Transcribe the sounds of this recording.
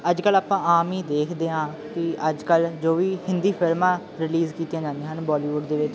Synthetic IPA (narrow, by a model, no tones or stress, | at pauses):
əd͡ʒkəlaːpãːaːmiːd̪eːkʰd̪eːãː | kɪəd͡ʒkəld͡ʒoːʋiːhɪnd̪iːpʰɪɾmãː | ɾɪliːzkiːt̪ːjãːd͡ʒãːnd̪ẽːɦənbɔːliːʋʊɖd̪eːʋɪt͡ʃ